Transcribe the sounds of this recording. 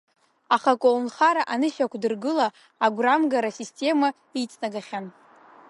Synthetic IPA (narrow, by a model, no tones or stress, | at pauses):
aχakʷʼownχaɾaʔanɨʃakʷʰdɨrɡɨlaː | ɡʷramɡaɾasistʲʼe̞ma | it͡sʼnaɡaχʲan